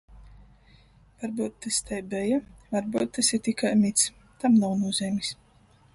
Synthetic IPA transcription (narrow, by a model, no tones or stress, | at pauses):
vaɾbuːt̪ːast̪ɛjbɛjavaɾbuːt̪̚ːasiɾt̪ikajmit̪s | t̪amnawnuɔzʲɛːmʲis